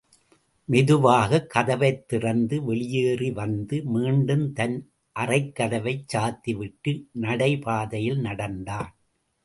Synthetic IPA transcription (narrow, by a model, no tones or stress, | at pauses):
mɛðɯʋaːɣɐkːɐðɐʋɐɪt̪ːɪrɐnd̪ɯʋɛɭɪjeːriʋɐnd̪ɯmiːɳɖɯmt̪ɐn | ʔɐrɐɪkːɐðɐʋɐɪt͡ʃːaːt̪ːiʋɪʈːɯnɐɽɐɪpaːðɐjɪlnɐɽɐnd̪aːn